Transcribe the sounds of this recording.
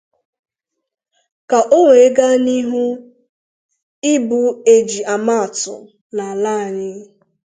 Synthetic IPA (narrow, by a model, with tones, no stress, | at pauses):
ka˨ʔo˦ŋʷe˨e˦ɡa˦ni˦ɦu˦ | ɪ˦bu˨e˨d͡ʒi˨a˨ma˦a˨tʊ̰˨ | na˨la˦a˨ɲɪ˦